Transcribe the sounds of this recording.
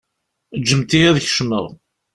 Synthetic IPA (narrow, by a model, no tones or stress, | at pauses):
d͡ʒːəmt̪iæðəçʃmə̰ðˤ